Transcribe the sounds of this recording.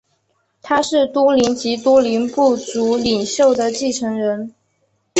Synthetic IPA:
t̪ʰa˥ʂɻ̩˥˩t̪wɔ˥li˧˥nt͡ɕi˧˥t̪wɔ˥li˧˥npu˥˩t͡su˧˥li˨˩ŋɕjo˥˩ʊd̪ə˩t͡ɕi˥˩ʈ͡ʂʰɤ˧˥ŋɻə˧˥n

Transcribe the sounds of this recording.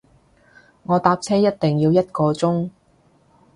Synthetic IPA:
ŋɔː˨˧t̪aː˧p̚t͡sʰɛː˥jɐ˥t̚t̪ɪ˨˩ŋjiː˧wjɐ˥t̚kɔː˧t͡sʊ˥ŋ

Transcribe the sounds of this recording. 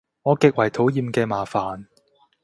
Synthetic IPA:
ŋɔː˨˧kɪ˨k̚wɐ˨jt̪ʰo˨˥wjiː˨˧mkɛː˧maː˨faː˨˩n

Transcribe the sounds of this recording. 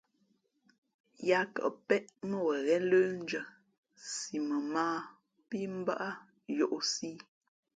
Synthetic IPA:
ja˨kə̰˨ʔpɛ˦ʔmə˦wə˨ɣɛ˦ləː˦n˦d͡ʒə˨ | si˨mə˨maː˦ | pi˦m̩˦ba˦ʔa˦ | jo˨ʔo˨siː˦

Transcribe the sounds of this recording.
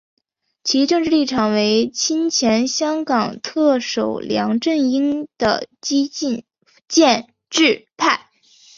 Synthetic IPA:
t͡ɕʰi˧˥ʈ͡ʂɤ˥˧ŋʈ͡ʂɻ̩˥˧li˥˩ʈ͡ʂʰɑ˨˩ŋwe˧˥ɪt͡ɕʰi˥nt͡ɕʰjɛ˧˥nɕjɑ˥ŋkɑ˨˩ŋt̪ʰɤ˥˩ʂo˨˩ʊljɑ̰˧˥ŋʈ͡ʂə˥˩ŋi˥ŋd̪̥ə̰˨t͡ɕi˥i˥˧n | t͡ɕjɛ˥˧n | ʈ͡ʂɻ̩˥˧pʰa˥˩ɪ

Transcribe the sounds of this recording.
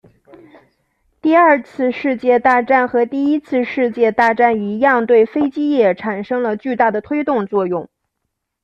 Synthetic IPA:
t̪i˥˧ə˞˥˧t͡sʰɹ̩˥˧ʂɻ̩˥˧t͡ɕjɛ˥˧t̪a˥˧ʈ͡ʂa˥˩nxɤ˧˥t̪i˥˩i˥t͡sʰɹ̩˥˧ʂɻ̩˥˧t͡ɕjɛ˥˧t̪a˥˧ʈ͡ʂa˥˩ni˧˥jɑ˥˧ŋt̪we˥˩ɪfe˥ɪt͡ɕi˥jɛ˥˩ʈ͡ʂʰa˨˩nʂɤ˥ŋlə˨t͡ɕy˥˧t̪a˥˩d̪ə˩t̪ʰwe˥ɪt̪ʊ˥˧ŋt͡swɔ˥˧jʊ˥˩ŋ

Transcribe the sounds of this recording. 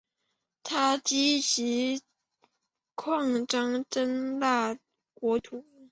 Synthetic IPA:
t̪ʰa˥t͡ɕi˥t͡ɕi˧˥ | kʰwɑ˥˩ŋʈ͡ʂɑ˥ŋʈ͡ʂə˥nla˥˩ | kwɔ˧˥t̪ʰu˨˩˦

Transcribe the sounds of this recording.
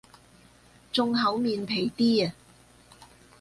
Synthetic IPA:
t͡sʊ˧ŋɦɐ˨˥wmiː˨npʰe˨˩jt̪iː˥ɐ˨

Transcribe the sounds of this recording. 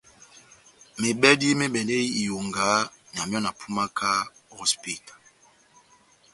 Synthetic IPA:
me˨ɓɛ˦di˦me˦ɓɛ˨le˦i˦i˨jo˨ŋɡa˨˦n˨a˨mjɔ˦na˨pʰu˦ma˦kʰa˦ɔ˦spi˦tḁ˨

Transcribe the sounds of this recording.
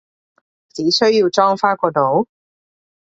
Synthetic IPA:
t͡siː˨˥sɵ˥ɥji˧wt͡sɔː˥ŋfaː˥kʷɔː˧t̪o˨˥w

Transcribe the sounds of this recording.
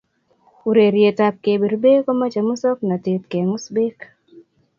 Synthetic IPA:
u˨ɾe˨ɾje˨ta˦p̚ke˨be˨ɾbe˦kɔ˦ma˦t͡ʃa˨mu˦sɔ˦k̚na˨te˨t̪̚ke˨ŋʊ˦sbe˦k

